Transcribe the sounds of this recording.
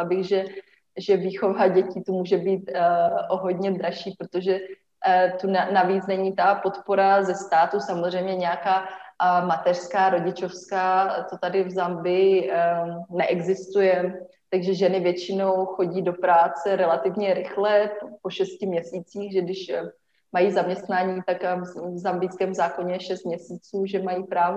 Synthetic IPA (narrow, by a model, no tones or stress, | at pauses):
bɪɣʒɛ | ʒɛviːxo̞vaɟɛcɪt̪umuːʒɛbiːt̪oɦo̞dɲɛd̪ɾaʃiːpɾot̪oʒɛ | t̪unanaviːt͡snɛɲit̪apo̞t̪po̞ɾazɛst̪aːt̪usamozr̝ɛjmɲɛɲɛjakaːmat̪ɛr̥skaːɾo̞ɟɪt͡ʃo̞fskaːt̪ot̪adɪvzambɪ | nɛʔɛɡzɪst̪ujɛ | t̪aɡʒɛʒɛnɪvjɛt͡ʃɪno̞wxo̞ɟiːdo̞pɾaːt͡sɛɾɛlat̪ɪvɲɛɾɪxlɛppoʃɛscɪmɲɛsiːt͡siːxʒɛɡdɪʃ | majizamɲɛst̪naːɲiːt̪akvzambɪjskɛːmzaːko̞ɲɛʃɛst̪̚mɲɛsiːt͡suːʒɛmajiːpɾaːv